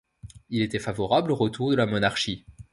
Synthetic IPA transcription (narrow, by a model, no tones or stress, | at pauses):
ilet̪ɛfavɔʁabloʁət̪uʁd̪əlamɔnaʁʃi